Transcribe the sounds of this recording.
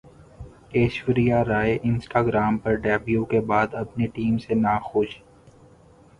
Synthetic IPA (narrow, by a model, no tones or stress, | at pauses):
eːʃwɪɾijaɾaːeʔɪ̃nsʈaːɡɾaːmpɐɾɖɛːbjukebaːd̪ɐpniʈiːmsenaːxʊʃ